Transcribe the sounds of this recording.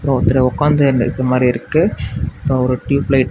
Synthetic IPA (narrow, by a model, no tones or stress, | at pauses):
pɾõɔt̪ːɪlɐʊkːaːnd̪ɐnðɐmaːd̪ɾiɪɾɯkːɯɪpːoːɔɾɯʈjuːplɐɪʈ